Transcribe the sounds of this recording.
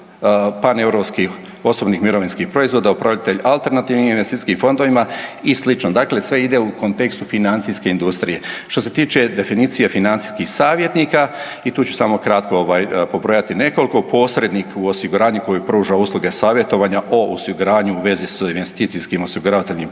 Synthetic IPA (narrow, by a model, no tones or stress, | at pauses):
panevɾo̞pskix | o̞sobnixmiɾo̞ʋinskihpɾo̞izʋo̞d̪aupɾaʋlʎʲat̪e̞ʎalˠt̪e̞ɾnat̪iːʋniminʋest̪it̪i̥skimfo̞nd̪o̞ʋimaislit͡ʃnod̪akle̞sʋe̞id̪e̞uko̞nt̪e̞kst̪ufinant̪siske̞ind̪ust̪ɾije̞ʃt̪o̞s̬e̞t̪iːt͡ʃe̞d̪e̞finit̪sijefinant̪si̥jskixsaːʋje̞t̪niːka | it̪uːt͡ɕt͡ʃu̥saːmo̞kɾat̪kooʋaːjpo̞bɾo̞jat̪ine̞ko̞liko̞pʰo̞ːsɾe̞d̪nikuo̞siɡuɾaːɲuko̞jipɾuːʒauːslˠuɡe̞saːʋje̞t̪o̞ʋaɲaʔoosiɡuɾaːɲuːʋe̞zisinʋe̞st̪iːt̪siskimosiɡuɾaʋat̪eʎʲnim